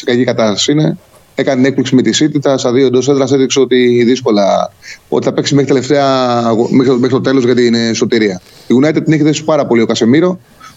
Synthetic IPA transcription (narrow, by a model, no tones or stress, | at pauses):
siɡɐcikɐt̪ɐsɐsiine̞ | ekɐnne̞k̚pliksimet̪isit̪it̪ɐst̪ɐðio̞ed̪o̞seðd̪ɾɐseðikseo̞t̪iðisko̞lɐot̪iθɐpe̞ksismexɾit̪ele̞ft̪eɐɣomexɾimexit̪o̞t̪e̞lo̞zʝɐt̪inso̞t̪iɾiɐ | iɣunɐit̪et̪ineçiðesi̥pɐɾɐpo̞liokɐse̞miɾo̞